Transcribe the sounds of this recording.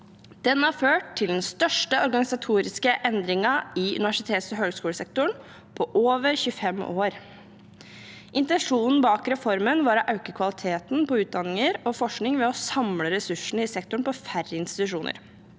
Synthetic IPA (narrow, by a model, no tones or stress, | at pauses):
d̪̥ɛnhɑɾføːʈt̪ʰːɪld̪ɛnst̪œʂʈəɔɾɡɑnɪsɑt̪ʰuːɾɪskəʔɛnd̪ɾɪŋɑɪʉ̰nɪʋæʂɪt̪ʰeːt̪sɔɦøːɡskuːləsɛk̚t̪ʊɳ | pʰɔʔoːʋəɾçʉːfɛmʔoːɾ | ʔɪnt̪ɛnʂuːnn̩bɑːkɾɛfɔɾmənʋɑɾɑʔɑʉkəkʰʋɑlɪt̪ʰeːt̪npɔʉːt̪̚d̪ɑnːɪŋəɾɔfɔʂknɪŋʋɛɔsɑmləɾɛsʉʂɳ̩əɪsɛk̚t̪ʊɳ̩pɔfærːəɪnst̪ɪt̪ʉʂuːnʔə̰ɾ